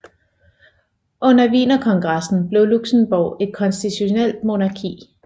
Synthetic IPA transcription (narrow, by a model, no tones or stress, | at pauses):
ʔɔ̽n̰ɐʋḭːnɐkʰɒ̽ŋɡ̥ʁɑ̈sn̩b̥le̝ʊluɡ̥sn̩b̥ɒʊe̝d̥̚kʰɒ̽nsd̥it͡sʰuɕo̝nel̰d̥mo̝nɑ̈kʰḭː